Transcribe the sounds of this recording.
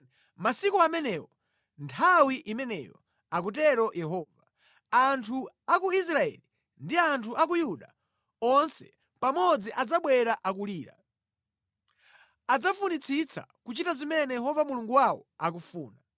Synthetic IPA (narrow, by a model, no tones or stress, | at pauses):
masikuamɛnɛwɔ | ntʰawiʔimɛnɛ̰jɔ̰ | ak̬ut̬ɛɾɔjʔɛɦɔva | antʰu | akuis̬ɾaɛ̰li | ndiantʰuʔakujuɗa | ɔnsɛ̰ | pamɔd͡ziʔad͡zaɓwɛɾaʔak̬uliːɾa̰ | ad͡zafunit͡sʰit͡sʰa̰kut͡ʃitazimɛnɛjɛɦɔvamuluŋɡuwawɔ̰ak̬ufuːna